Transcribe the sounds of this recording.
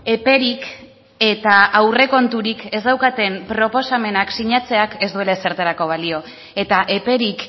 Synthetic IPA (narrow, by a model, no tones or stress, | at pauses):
e̞pe̞ɾik | e̞t̪aːwre̞ko̞nt̪uɾike̞zd̪awkat̪e̞mpɾo̞po̞same̞naksiɲat͡se̞ake̞zd̪ue̞lese̞ɾt̪eɾako̞β̞alio̞ | e̞t̪aʔe̞pe̞ɾik